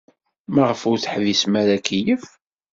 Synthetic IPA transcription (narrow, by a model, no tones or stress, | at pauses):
maʁəfʊɾθħvismæɾækijəf